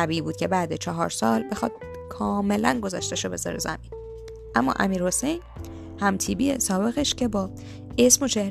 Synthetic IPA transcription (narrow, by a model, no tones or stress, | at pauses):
æbiːiːbuːd̪̚cʰe̞bæːd̪et͡ʃʰɒɦɒːɾsɒːlbe̞xɒd̪̥̚ | kʰɒːme̞lænɡo̞zɒʃt̪eʃobe̞̰zɒ̰ːɾḛzæ̰miːn | ʔæmːɒ̰ːʔæ̰miːɾho̞se̞jn | hæmt̪ʰiːbiesɒːbe̞ɣeʃcʰe̞bɒː | esmo̞t͡ʃʰe̞hɾ